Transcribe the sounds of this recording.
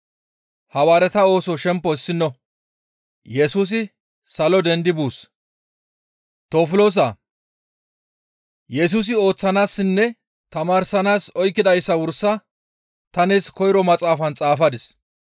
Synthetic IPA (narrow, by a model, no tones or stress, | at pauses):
hɐwaːɾɛt̪ɐo̞ːsɔʃɛmpːɔɪsːɪnːɔ | jɛsuːs̬ɪ | sɐlɔd̪ɛnd̪ɪbuːs | t̪oːfʊloːs̬a | jɛs̬uːs̬ɪo̞ːt͡sːɐnaːsːɪnːɛ | t̪ɐmaːɾsɐnaːsɔjkːɪd̪ɐjsːɐwʊɾsːɐ | t̪ɐneːskɔjɾɔmɐt͡sʼaːfɐnt͡sʼaːfɐd̪ɪs